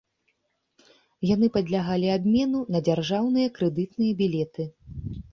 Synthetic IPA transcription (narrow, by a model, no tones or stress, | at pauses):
janɨpɐd̪ʲlʲaɣalʲiabʲmʲɛnunɐd͡zʲarʐawnɨjɐkɾɛd̪ɨt̪nɨjɐbʲilʲɛt̪ɨ